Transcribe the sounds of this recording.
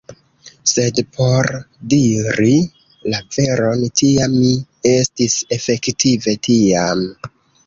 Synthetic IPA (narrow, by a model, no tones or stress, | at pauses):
se̞dpʰo̞ɾdiɾi | lave̞ɾo̞ntiamːi | e̞stise̞fe̞ktive̞tiam